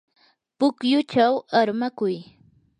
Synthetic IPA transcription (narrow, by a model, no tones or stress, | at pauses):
pʊkjʊt͡ʃawaɾmakʊj